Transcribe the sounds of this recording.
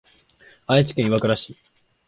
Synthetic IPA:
ait͡ɕi̥kʲẽɰ̃iβakɯ̟ɾaɕi

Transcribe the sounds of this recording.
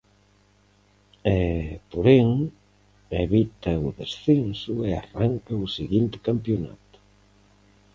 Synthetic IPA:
ɛpoɾeŋ | eβit̪ɐʊðesθensʊearaŋkɐʊseɣint̪ɪ̥kampjona̰t̪ʊ̥

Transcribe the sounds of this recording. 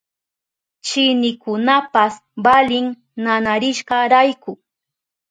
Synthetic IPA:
t͡ʃɪnɪkʊnapas | balɪŋ | nanaɾɪʃɢɑɾajkʊ

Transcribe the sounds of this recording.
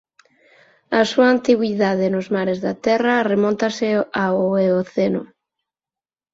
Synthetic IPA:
ɐsuɐːnt̪iɣwiðaðenʊzmaɾezðat̪ɛrɐremɔ̃nt̪ɐseaoeoθenʊ

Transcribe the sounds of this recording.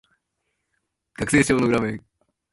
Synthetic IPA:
ɡ̥akɯ̟̥se̞ːɕi̥t͡ɕo̞ːnoɯ̟ɾamẽ̞ŋ

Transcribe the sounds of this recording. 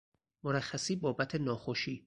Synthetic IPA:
moɾæxːæsiːbɒːbæt̪ʰe̞nɒːxoʃiː

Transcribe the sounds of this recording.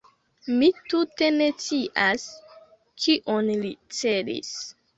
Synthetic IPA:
mitute̞ne̞t͡siʔas | kiʔonlit͡se̞dḭs

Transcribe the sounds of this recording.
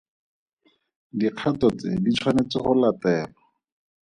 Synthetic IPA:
diq͡χʰatɔt͡sḛdit͡sʰwanet͡sɪχʊlatɛːlɔ

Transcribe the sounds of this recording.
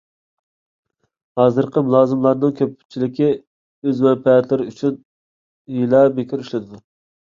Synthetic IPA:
hɑːzɨɾqʰəmulˠɑːzɨmlˠɑɾnɨŋkʲʰøpt͡ʃʰilɪkʲi | øzmɛnpʰɛɛt̪ʰlɪɾɪyt͡ʃʰyn | jilˠɑbekʰʲiɾyʃlɪd̪ɪd̪u

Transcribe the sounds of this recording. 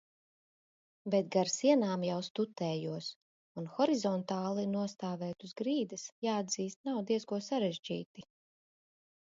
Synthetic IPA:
bɛt̪̚ɡaɾsiɛnaːmjawst̪ut̪ɛːjuɔs | unxɔɾizɔnt̪aːlˠinuɔst̪aːvɛːt̪uzɡɾiːd̪ɨsjaːad̪ziːst̪̚nawd̪iɛskuɔsaɾɛʒd͡ʒḭːt̪i

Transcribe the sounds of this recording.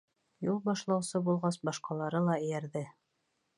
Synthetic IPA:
julˠbɑʃlˠɑwsɤbulˠʁɑsbɑʃqɑlˠɑɾɤlˠɑɘ̆jæɾðɘ

